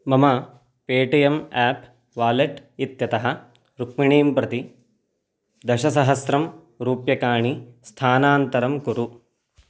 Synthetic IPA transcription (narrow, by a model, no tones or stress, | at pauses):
mɐmɐ | peːʈijɐmaːp | ʋaːleʈit̪jɐt̪ɐɦɐ̆ | ɾukmiɳiːmpɾɐt̪i | d̪ɐʃɐsɐɦɐsɾɐm | ɾuːpjɐkaːɳist̪ʰaːnaːnt̪ɐɾɐmkuɾu